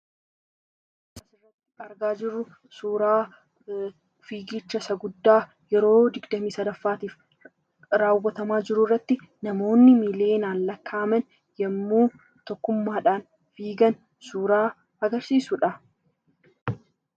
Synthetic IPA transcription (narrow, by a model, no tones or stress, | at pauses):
sɐsɪrːɐt̪ːɪ̥ɐɾɡaːd͡ʒɪrːʊ | suːɾaː | fiːɡit͡ʃːɐsɐɡʊd̪ːaː | jɛɾo̞ːd̪ɪɡd̪ɐmiːsɐd̪ɐfːaːt̪iːf | ɾaːwːɐt̪ɐmaːd͡ʒɪɾʊrːɐt̪ːɪ | nɐmo̞ːnːɪmɪleːnaːnlɐkːaːmɛn | jɐmːuːn | t̪ɔkːʊmːaːᶑaːn | fiːɡɐn | suːɾaː | ɐɡɐɾsiːsʊᶑɐ